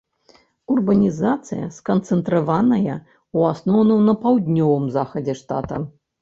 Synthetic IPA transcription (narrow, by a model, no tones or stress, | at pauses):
urbɐnʲizat̪sɨjɐ̰skɐnt̪sɛnt̪ɾavanɐjɐ | uasnɔwnɐwnɐpawd̪ʲnʲɔvɨmzaxɐd͡zʲɛʂt̪a̰t̪ɐ